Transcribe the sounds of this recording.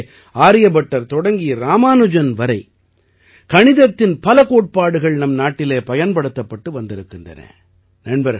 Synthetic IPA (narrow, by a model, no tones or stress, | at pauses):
aːɾɪjɐbɐʈːɐɾt̪ɔɽɐŋɡijɾaːmaːnɯd͡ʒɐnʋɐɾɐɪ | kɐɳɪðɐt̪ːɪnpɐlɐkoːʈ̚paːɽɯɣɐɭnɐmnaːʈːɪleːpɐjɐnpɐɽɯt̪ːɐpːɐʈːɯʋɐnd̪ɪɾɯkːɪndrɐ̰nɐ̰ | nɐɳbɐɾ